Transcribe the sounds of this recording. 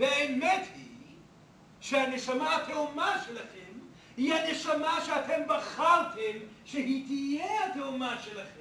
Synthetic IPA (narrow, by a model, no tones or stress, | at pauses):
beemet̪hi | ʃehaneʃamaatʰeumaʃelaχem | hihaneʃamaʃeat̪ʰembaχaltʰemʃeɦit̪ijeat̪eumaʃelaχem